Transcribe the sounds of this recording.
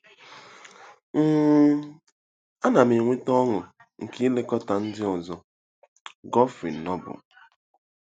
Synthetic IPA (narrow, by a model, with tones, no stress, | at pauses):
ŋ̩˦ | a˦na˨mi˨ŋʷe˦tɔ˦ŋʊ˨ | ŋ̩˨ki˦le˦kɔ˦ta˨n̩˦dɪ˦ɔ˨zɔ˨ | ɡɔ˦fḭ˨n̩˨nɔ˦bʊ̰˨